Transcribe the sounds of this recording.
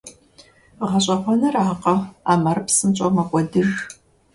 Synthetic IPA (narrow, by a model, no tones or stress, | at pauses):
ʁɐɕʼɐχʷɔnɐraːqʼɐaːmɐrpsɨmt͡ʃʼomɐkʷʼɔdɨr